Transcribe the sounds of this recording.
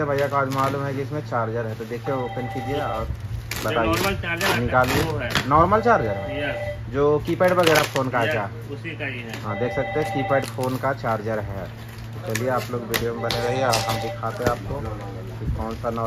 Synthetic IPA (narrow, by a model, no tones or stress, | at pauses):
bʱaːjːakaːd͡ʒmaːluːmɦɛkiɪsmẽt͡ʃaːɾd͡ʒəɾɦɛt̪od̪eːkʰiɛ̃okənkid͡ʒieaːbɐt̪aːienɪkaːlienɔːɾməlt͡ʃaːɾd͡ʒəɾɦɛ | d͡ʒoːkiːpɛːɖbɐɣɛːɾafʰoːnkat͡ʃaː | ɦãːd̪eːkʰsɐk̚t̪eɦɛ̃kiːpɛːɖfʰoːnkat͡ʃaːɾd͡ʒəɾɦɛː | t̪ot͡ʃɐlieaːploːɡʋiːɖijomẽbɐneɾɐɦeɔːɾɦɐmd̪ɪkʰat̪eɦeaːp̚ko | kɔːnsanɔː